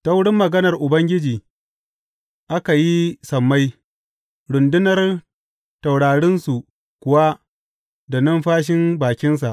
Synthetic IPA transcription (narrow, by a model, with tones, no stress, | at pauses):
ta˦wɽɪ˦mːɐ˨ɡɐ˦nɐ˨rʔʊ˨bɐ˦ŋɡʲɪ˦d͡ʒiː˨ | ʔa˦ka˨ji˦sɐ˨mːa˦j | ɽʊ˨ndɪ˦nɐ˨r | ta˨wɽaː˨ɽɪ˦nsu˨ | kʷʊ˨wa˦ | da˨nɐ˦mɸaː˦ʃ̬ɪ˦mbaː˨kʲɪ˦ns̬a˨ʔ